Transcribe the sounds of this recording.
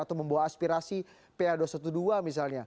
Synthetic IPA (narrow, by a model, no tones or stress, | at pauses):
at̪awməmbawaːspiɾasi | peadosat̪uduamis̬alɲa